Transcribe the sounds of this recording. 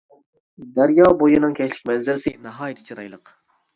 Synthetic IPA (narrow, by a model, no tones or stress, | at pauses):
d̪æɾjɑːbojɪnɨŋkʲʰɛt͡ʃlɪ̥k̚ʲmɛnzɪlsɪnɑɦɑːjit̪ʰɪ̥t͡ʃʰiɾɑ̰jlˠəq